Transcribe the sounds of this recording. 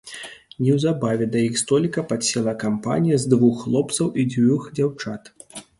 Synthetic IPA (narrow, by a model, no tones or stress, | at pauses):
nʲɛwzabavʲɛd̪ɐjixst̪ɔlʲikɐpasʲɛlˠɐkampa̰nʲijɐzd̪vuxːlˠɔpt̪sɐwid͡zʲvʲuxd͡zʲawt͡ʂat̪